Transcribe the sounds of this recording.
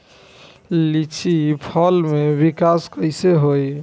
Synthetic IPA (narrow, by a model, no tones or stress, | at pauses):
lit͡ʃʰipʰɔlmebikaskəɪseɦoj